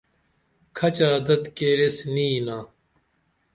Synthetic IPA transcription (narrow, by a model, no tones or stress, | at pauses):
kʰɐt͡ɕaːd̪ɐt̪keːɾesniːnaː